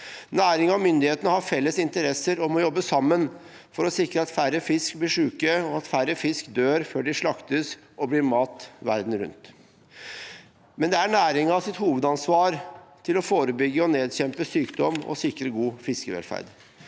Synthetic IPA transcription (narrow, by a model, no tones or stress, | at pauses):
næːɾɪŋɑmʏnd̪ɪheːt̪ənəhɑɾfɛlːəsɪnt̪əɾɛsəɾɔmɔjɔbːəsɑmːən | fɔɾɔsɪkɾəɑt̪fæɾːəfɪskblɪːʂʉːkəɔɑt̪fæɾəfɪskd̪øːɾføːɖɪʂɭɑkt̪əs | ʔɔbliːɾmɑːt̪ʋæ̰ɾd̪n̩ɾʉ̰nt̪ | mɛnd̪ɛæɳæːɾɪŋɑsɪt̪huːʋəd̪ɑnsʋɑːɾt̪ʰɪlɔfoːɾəbʏɡːəɔneːd̪ɕɛmpəsyːkd̪ɔmɔ̰sɪkɾəɡuːfɪskəʋɛ̰lfæ̰ɾd̪